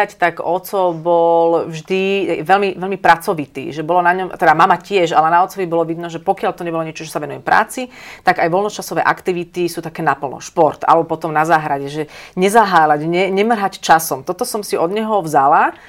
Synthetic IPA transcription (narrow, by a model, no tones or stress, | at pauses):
act̪aɡɔt͡sɔbɔlvʒd̪iʋɛlmiʋɛlmipɾat͡sɔʋit̪ḭːʒɛbɔlɔnaɲɔmt̪ɛd̪amamacɪɛʒa̰lɛnaɔt͡sɔʋibɔlɔʋid̪nɔʒɛpɔkɪalt̪ɔɲɛbɔlɔɲɛt͡ʃɔʒɛsaʋɛnujɛmpɾa̰ːt͡sit̪aɡajʋɔlnɔt͡ʃasɔʋɛ̰ːʔakt̪iʋit̪isuːt̪akɛːnapl̩nɔ̰ʃpɔɾt̪a̰lɛbɔpɔt̪ɔmnazaːɦɾaɟɛʒɛɲɛzaɦaːlaɟɲɛɲɛmr̩ɦact͡ʃasɔmt̪ɔt̪ɔsɔmsiɔd̪ɲɛɦɔvzala